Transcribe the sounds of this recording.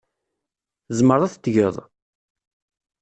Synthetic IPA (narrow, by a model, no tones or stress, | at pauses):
zˤməɾˤæθət̪ːʝəðˤ